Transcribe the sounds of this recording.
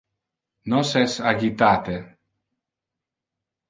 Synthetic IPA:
nɔsɛsaɡit̪at̪e

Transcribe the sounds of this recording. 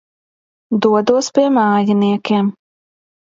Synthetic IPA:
d̪uɔd̪uɔspʲiɛmaːjaniɛkʲeːm

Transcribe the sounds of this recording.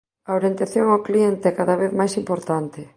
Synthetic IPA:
aoɾjent̪aθjoŋawklient̪eɛkaðaβeθmajsimpoɾt̪ant̪ɪ

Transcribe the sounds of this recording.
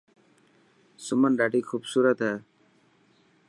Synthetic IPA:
sʊmənɖaːɖiːkʰuːbsuːɾət̪ɦɛː

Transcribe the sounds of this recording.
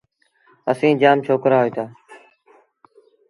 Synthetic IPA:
əsĩːd͡ʒaːmt͡ʃʰoːkɾaːɦoeːt̪aː

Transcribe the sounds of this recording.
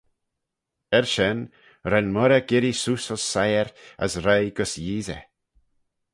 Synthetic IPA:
ɛɾʃɛn | ɾɛnmɔɾəɡɪɾisusɔsːajəɾa̰sɾajɡɔsjiːzɛ̰

